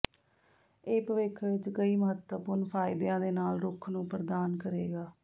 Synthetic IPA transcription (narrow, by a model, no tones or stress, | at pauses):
ɪːpʋɪkʰʋɪt͡ʃkəiːməɦət̪wəpʊɾnpʰaːɪd̪jãːd̪eːnaːlɾʊkʰnũːpɾəd̪aːnkəɾeːɡaː